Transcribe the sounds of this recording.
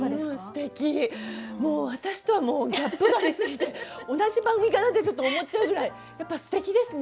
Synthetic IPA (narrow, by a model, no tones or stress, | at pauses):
moːsɨ̥t̪e̞kʲimo̞ːβat̪aɕi̥t̪o̞βamo̞ːɡʲapːɯ̟ɡaɾʲisɨɡʲit̪e̞o̞naʑibãŋɡɯ̟mʲikat̪ad̪e̞t͡ɕo̞t̪ːoːmo̞t͡ɕaɯ̟ɡɯ̟ɾai | japːasɨ̥t̪e̞kʲid̪e̞sɨne